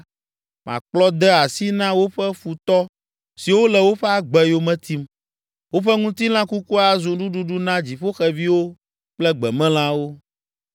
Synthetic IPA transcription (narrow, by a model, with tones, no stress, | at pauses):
mã̰˨k͡plɔ˦d̪ɛ˦a˨si˦nã˦wo˦ɸɛ˦fu˨t̪ɔ˦ | si˨wo˦lɛ˨wo˦ɸɛ˦a˨ɡ͡bɛ˨jo˦mɛ̃˦t̪i˦m | wo˦ɸɛ˦ŋũ˦t̪i˦l̃ã˦ku˦ku˦a˨zu˨ɖu˦ɖu˦ɖu˦nã˦d͡ʑi˨ɸo˦xɛ˨vi˦wo˦ | k͡plɛ˦ɡ͡bɛ˨mɛ̃˦l̃ã˦wo˦